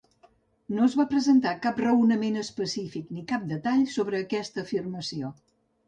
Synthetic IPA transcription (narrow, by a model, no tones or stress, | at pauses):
noəzβapɾəzənt̪akaprəwnəmenəspəsifiknikap̚d̪ət̪aʎsoβɾəːkɛst̪əːfirməsio